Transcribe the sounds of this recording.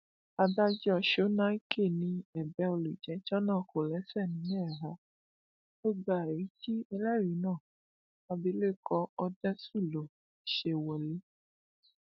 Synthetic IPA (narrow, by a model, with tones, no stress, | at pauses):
a˧da˦d͡ʒɔ˦˧˨ʃo˨˦nã˦i˦kʰe˦˨nĩ˧ɛ˨bɛ˧˦o˧lu˨d͡ʒɛ̃˨˦t͡ʃɔ˦nãː˦˨ko˨lɛ˨˦sɛ˦˨nĩ˨˦nɛ˦˨ɾa˨˦ | o˦ɡ͡ba˨e˨i˨˦ti˦ɛ˧lɛ˦˨ɾi˨˦nãː˦˨ | a˧bi˨˦le˦˨kɔ˧ɔ˧dɛ̃˦su˦˨lo˨ | ʃe˧wɛ˨le˨˦